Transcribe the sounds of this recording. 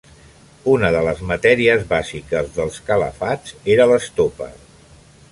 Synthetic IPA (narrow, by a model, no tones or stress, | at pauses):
unəðələzmət̪ɛɾiəzβazikəzðəlˠskələ̰fad͡zeɾələst̪opə̰